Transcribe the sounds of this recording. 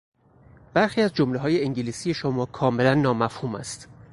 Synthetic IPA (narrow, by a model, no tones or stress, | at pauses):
b̥æɾxiːæzd͡ʒomleɦɒːje̞iŋɟiliːsije̞ʃomɒːkʰɒːme̞lænːɒːmæfhuːmæ̰st̪